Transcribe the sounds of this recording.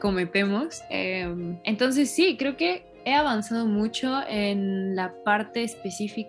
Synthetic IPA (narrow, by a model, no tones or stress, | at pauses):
ko̞me̞pe̞mosḛment̪o̞ns̬e̞sːikɾe̞oke̞ | e̞aβ̞ansað̞o̞mut͡ʃo̞enlapaɾt̪e̞ːspe̞sifi